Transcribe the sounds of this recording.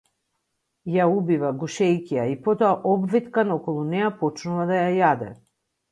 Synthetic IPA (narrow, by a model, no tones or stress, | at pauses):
jaubivaɡuʃɛjkiaipɔt̪ɔaʔɔbvit̪kanɔkɔlˠunɛjapɔt͡ʃnuvad̪ajajad̪ɛ̰